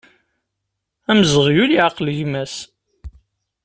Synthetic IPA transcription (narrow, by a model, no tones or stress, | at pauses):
æməzəʁjuliʕɑqləʝmæs